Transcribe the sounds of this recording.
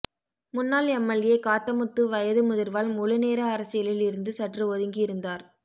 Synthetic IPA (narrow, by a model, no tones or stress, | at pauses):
mʊnːaːlɛmːɐɭjeːkaːt̪ːɐmɯt̪ːɯʋɐjɐðɯmʊðɪɾʋaːlmʊɭɯneːɾɐːɾɐsɪjɐlɪlɪɾɯnd̪ɯsɐʈrɯɔðɯŋɡɪjɪɾɯnd̪aːɾ